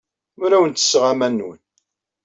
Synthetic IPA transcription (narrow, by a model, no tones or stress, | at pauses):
mɾæwənt̪ə̥sːʁamænːwə̰n